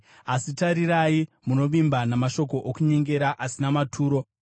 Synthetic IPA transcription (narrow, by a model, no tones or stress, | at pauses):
asitaɾiɾaji | muno̞ʋimbanamaʃo̞ko̞ʔokuɲe̞ŋɡe̞ɾaʔasinamatʰuːɾo̞